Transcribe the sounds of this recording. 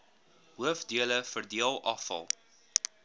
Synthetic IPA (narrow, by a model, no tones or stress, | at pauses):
ɦuəfdiələfərdiəlˠʔɐfɐ̰lˠ